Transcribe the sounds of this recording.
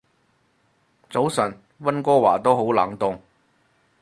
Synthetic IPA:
t͡so˨˥wsɐ˨˩n | wɐ˥nkɔː˥wa̰ː˨˩t̪o˥wɦo˨˥wlaː˨˥ŋt̪ʊ˨ŋ

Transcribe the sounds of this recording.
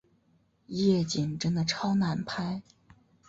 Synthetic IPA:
jɛ˥˩t͡ɕi˨˩ŋʈ͡ʂə˥nd̪ə˨ʈ͡ʂʰɑ˥ʊna˨˩npʰa˥ɪ

